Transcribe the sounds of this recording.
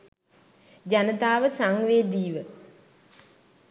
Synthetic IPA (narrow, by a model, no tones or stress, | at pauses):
d͡ʒanət̪aːʋəsaŋʋeːd̪iːʋə